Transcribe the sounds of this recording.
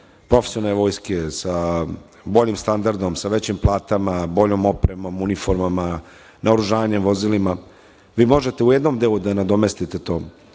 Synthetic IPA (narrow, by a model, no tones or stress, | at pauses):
pɾo̞fesionaeʋo̞ːjskesa | bo̞ʎimst̪and̪aɾd̪o̞msaʋet͡ɕimplˠaːt̪amabo̞ʎo̞mo̞pɾemo̞munifo̞ɾmama | nʔaoɾuʒaːʋaɲemʋo̞zilima | ʋiːmo̞ʒe̞t̪e̞ujed̪no̞md̪eːlud̪anad̪o̞me̞st̪it̪et̪o̞ː